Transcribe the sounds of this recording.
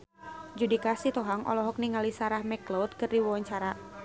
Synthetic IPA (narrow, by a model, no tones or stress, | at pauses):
d͡ʒudikasit̪ɔɦaŋʔɔ̰lɔɦɔk̚niŋalisaɾahmɛklɔt̪̚kɨrdiwɔwɔɲt͡ʃaɾa